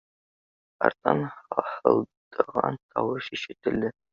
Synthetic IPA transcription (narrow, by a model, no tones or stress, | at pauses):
ɑ̰rt̪ɑnhɑħəlˠd̪̥əʁɑnt̪ʰɑwɤʃiʃɘ̆t̪ɘ̆ld̪ɘ